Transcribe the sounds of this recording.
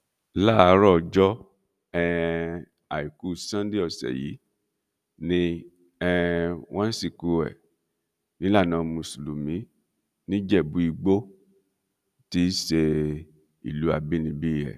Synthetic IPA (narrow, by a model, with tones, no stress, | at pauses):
la˦a˨˧˦ɾɔ˦˨d͡ʒɔ˦ | ɛ˧ | a˨i˨ku˨˦sã˦n˦di˦ɔ˦˨sɛ̰˨jḭ˨˦ | nĩ˧ | ɛ˧w̃ʔɔ̃˦n̩˦si˦˨ku˧ɛ̰˨ | nĩ˦la˦˨nãː˨˧mũ˧˨su˨lu˨mĩ˨˦ | nĩ˦d͡ʒɛ˦˨bu˨˦i˧ɡ͡bo˦ | ti˦se˧ | ḭ˨lu˨˦a˧bi˦nĩ˧bi˦˨jɛ̰˨